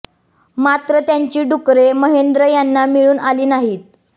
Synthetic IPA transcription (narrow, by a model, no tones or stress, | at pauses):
mat̪ɾət̪jaɲt͡ɕiːɖukɾeməɦend̪ɾəjanːamiɭuːnaliːnaɦiːt̪̚